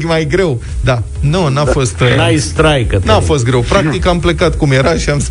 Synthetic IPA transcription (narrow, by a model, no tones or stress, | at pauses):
kmajɡɾe̞w | d̪anonafo̞st̪ast̪ɾajkənafo̞st̪ɡɾe̞wpɾak̚t̪ikamplekat̪kumje̞ɾaʃiams